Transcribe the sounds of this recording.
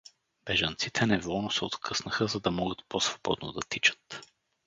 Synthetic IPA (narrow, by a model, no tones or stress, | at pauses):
b̥ɛʒɐnt̪sit̪ʰɛnɛvɔlˠnosɛo̰t̪kʰɤsnəxəzɐd̪ɐmɔɡət̪̚posvobɔ̰d̪no̰d̪ɐt̪it͡ʃə̥t̪